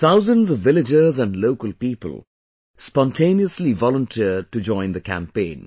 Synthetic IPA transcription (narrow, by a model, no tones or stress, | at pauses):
t̪θaʊzə̃nzʌvːɪlɪd͡ʒə˞zə̃nɖloʊkəlˠpiːpə̰lˠ | spɔ̃ntʰẽɪniəslivɔlə̃ntʰiəʈud͡ʒɔ̃ɪ̃nd̪əkʰæ̰̃mpẽɪ̃n